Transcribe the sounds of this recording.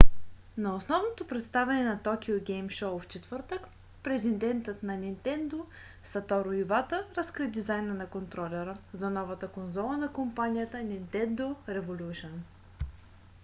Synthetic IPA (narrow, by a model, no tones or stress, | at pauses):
nɐosnɔvnot̪opɾɛt̪st̪avʲɛnɛnɐt̪ɔkʲioɡʲɛjmʃɔwft͡ʃɛt̪v̥ɤɾt̪ək | pɾɛzʲind̪ɛnt̪ət̪nɐnʲint̪ɛnd̪o | sɐt̪ɔɾoivat̪əɾɐskɾid̪izajnənɐkont̪ɾɔlʲɛɾəzɐnɔvət̪əkonzɔlˠənɐkompanʲijət̪ənint̪ɛnd̪oɾɛvolʲuʃən